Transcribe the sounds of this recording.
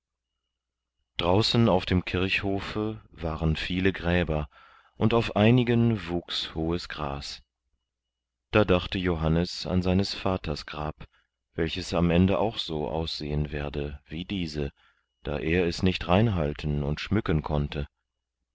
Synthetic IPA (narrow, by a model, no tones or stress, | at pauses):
d̥ʁaʊsn̩aʊfd̥eːmkʰɪɐhoːfəvaːʁənfiːləɡʁɛːbɐ | ʔʊntaʊfʔaɪnɪɡənvuːkshoːəsɡ̥ʁa̰ːs | d̥aːdaχtəjoɦanəsa̰nzaɪnəsfaːtʰɐsɡ̥ʁaːp | v̥ɛlçəsamʔɛndəʔaʊxz̥oːʔa̰ʊsz̥eːənvɛːɐdəviːdiːzə | d̥a̰ːʔeːɐɛsnɪçtʁaɪnɦaltʰn̩ʊntʃmʏkənkʰɔntʰə